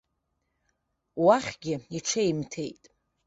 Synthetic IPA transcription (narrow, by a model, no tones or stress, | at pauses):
waχʲɡʲɪiʈ͡ʂʰaimtʰe̞̰jtʼ